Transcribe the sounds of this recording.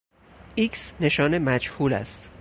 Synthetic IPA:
ʔiksne̞ʃɒːnemæd͡ʒhuːlæ̰st̪

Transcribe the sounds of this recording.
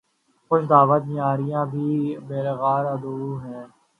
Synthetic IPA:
kʊt͡ʃʰd̪aːʋət̪ːaːɾijãːd̪iːbeːɾəɣaːɾəd̪uːɦɛ̃ː

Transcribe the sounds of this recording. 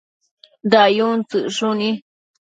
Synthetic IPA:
d̪ajuŋt͡sɨʔʂunĩ

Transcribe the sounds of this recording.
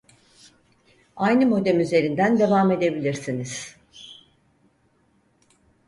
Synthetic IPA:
ajnɯmo̞d̪emyze̞ɾind̪ænd̪e̞vaːme̞d̪e̞bilʲiɾsiniz̥

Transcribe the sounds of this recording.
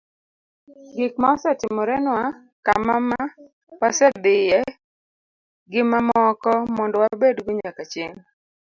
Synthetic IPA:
ɡikmaɔsɛtɪmɔɾɛnwa | ka̰mama | pasɛd̪ɪjɛ | ɡɪmamɔkɔmɔndɔwabedɡʊɲakat͡ʃeŋ

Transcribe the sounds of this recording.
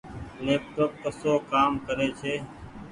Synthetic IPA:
leːp̚ʈop̚kəsoːkaːmkəɾeːt͡ʃʰeː

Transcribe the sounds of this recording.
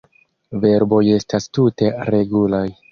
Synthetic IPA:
ve̞ɾbo̞je̞stastute̞ɾe̞ɡulaj

